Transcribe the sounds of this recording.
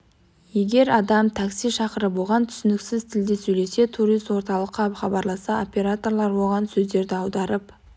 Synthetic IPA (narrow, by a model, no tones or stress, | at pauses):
je̞ɡʲe̞ɾɑd̪ɑmt̪ʰaksijʃɑqəɾəbolˠʁɑnt̪ʰʏ̥sɪnɪksɪzt̪ʰɪld̪esɵjle̞se̞t̪ʰuɾijst̪wo̞ɾt̪ɑlˠəqːɑχɑbɑɾlˠɑsɑo̞pʲe̞ɾat̪o̞rlˠɑɾbo̞lˠʁɑnsɵzd̪e̞ɾd̪ɪɑwd̪ɑɾəp